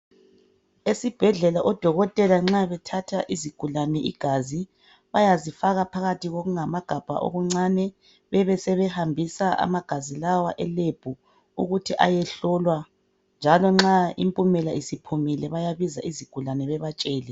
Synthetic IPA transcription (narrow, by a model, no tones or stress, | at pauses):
esib̥ʱɛɮɛlaʔɔd̥ʱɔɣɔtʼɛlaŋ͡ǁaβɛtʰatʰaʔiziɡ̥ʱulanɛʔiɡ̥ʱazi | βajazifaɣapʰaɣatiɣoɣuŋamaɡ̥ʱab̥ʱa̰ʔo̰ɣuŋ͡ǀanɛ | βɛβɛsɛβɛhambʱisaʔa̰maɡ̥ʱazilawaʔɛleb̥ʱu | ṵɣutʰiʔa̰jɛɬɔlwa | nd͡ʒʱalɔŋ͡ǁaḭmpʼumɛlaʔisipʰumilɛβajaβizaʔiziɡ̥ʱulanɛβɛβat͡ʃʼɛːlɛ